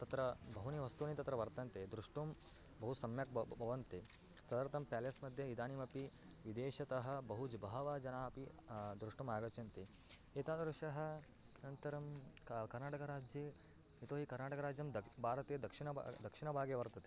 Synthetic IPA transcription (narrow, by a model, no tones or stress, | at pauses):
t̪ɐt̪ɾɐbʱɐɦuniʋɐst̪uːnit̪ɐt̪ɾɐʋɐɾt̪ɐnt̪ed̪ɾuʂʈum | bɐɦusɐmjɐk̚bʱɐʋɐnt̪e | t̪ɐd̪ɐɾt̪ɐmpjaːlɐjɐsmɐd̪ʱjɐid̪aːnimɐpi | ʋid̪eːʃɐt̪ɐɦɐ̆bɐɦud͡ʒbɐɦɐʋaːd͡ʒɐnaːpid̪ɾuʂʈumaːɡɐt͡ʃɐnt̪e | eːt̪aːd̪ɾuʂɐɦɐ̆ | nɐnt̪ɐɾɐmkkɐɾnaːʈɐkɐɾaːd͡ʒje | it̪oːɦikɐɾnaːʈɐkɐɾaːd͡ʒjɐmd̪ɐbʱaːɾɐt̪eːd̪ɐkʂinɐ̰d̪ɐkʂiɳɐbʱaːɡjeʋɐɾt̪ɐt̪e̥